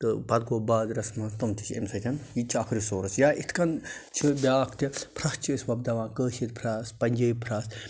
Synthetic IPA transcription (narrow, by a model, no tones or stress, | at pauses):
t̪ɨpɐt̪̚koːbaːzɾɐsmɐst̪ɐmt̪ʰi̥t͡ʃʰḛmsɐt̪ʰʲɐnjit͡ʃʰiɐkʰɾisoːɾɐsjaːʔit̪ʰkɐnt͡ʃʰibʲaːkʰt̪ipʰɾɐst͡ʃʰiːsʋɐb̚d̪ɐʋãːkəːʃit̪pʰɾaːspɐnʲd͡ʒɐːipʰɾaːs